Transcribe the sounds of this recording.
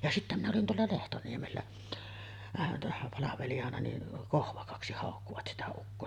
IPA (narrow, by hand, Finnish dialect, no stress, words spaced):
jɑ sitːæ minæ olin teælːæ lehtoniemelːæ ɑˑeʋɑn tæsːæ pɑlɑʋelijɑnɑ ni kohʋɑkɑksi hɑˑokːuʋɑt sitæ ukːoː